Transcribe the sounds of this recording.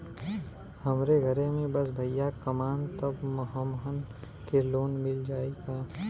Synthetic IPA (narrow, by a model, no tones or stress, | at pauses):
hɐmɾeɡʱəɾemẽbɐsbʱɐjakɐmaːnt̪əbməɦəmɦən | keloːnmɪld͡ʒaːikaː